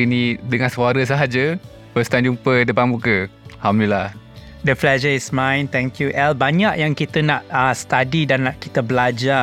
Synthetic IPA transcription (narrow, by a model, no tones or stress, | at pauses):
inĩdəŋãnsuaɾəs̬aɦad͡ʒə | pəst̪and͡ʒumpədəbanmukəhamlila | dəplɛd͡ʒəismãjnt̪ɛ̃ŋkjuʔɛlbaɲaʔjaŋkit̪ənaʔast̪adidanːaʔkit̪əbəlad͡ʒa